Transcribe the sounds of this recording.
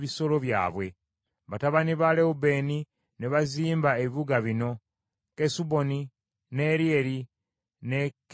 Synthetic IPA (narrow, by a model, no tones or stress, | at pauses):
βiso̞lo̞βja̰ːβwe̞ | βataβaniβaleube̞ni | neβaziːmbaeβiβuɡaβino̞ | kesubo̞ni | ne̞ɾieɾi | ne̞k